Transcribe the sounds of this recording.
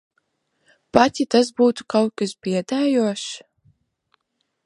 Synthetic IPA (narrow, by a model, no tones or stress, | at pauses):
pat̪ʲit̪as̬buːt̪u̥kawkɨsbiɛd̪aːjuɔʃ